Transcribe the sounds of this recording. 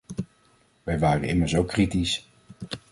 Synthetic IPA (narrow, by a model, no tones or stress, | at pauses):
ʋɛjʋaːrənɪməɹsowkːritis